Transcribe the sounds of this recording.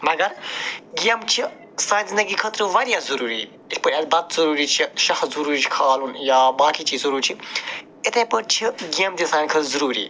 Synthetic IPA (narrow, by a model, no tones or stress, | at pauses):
mɐɡɐɾɡijɐmt͡ʃʰi | sãːnzinɐɡikʰɐt̪ɾɨʋɐɾijaːzɐɾuːɾiː | itʰʲpɐɾʲɐːlʲbɐt̪zɐɾuːɾit͡ʃʰiʃɐxzuɾuːɾit͡ʃʰi̥kʰaːlunjaːbaːkiːt͡ʃiːzzɐɾuːɾt͡ʃʰi | it̪ʰẽːpəɾt͡ʃʰiɡijɐmd̪ʲisaːnʲkʰɐt̪zɐɾuːɾḭː